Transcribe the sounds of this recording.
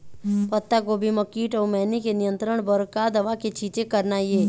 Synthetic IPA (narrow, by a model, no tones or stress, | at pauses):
pɐt̪ːaɡoːbʱiməkiːʈɔːmɛːnikenɪjə̃nt̪ɾəɽ̃bəɾkad̪ɐʋaket͡ʃʰiːt͡ʃekɐɾnajeː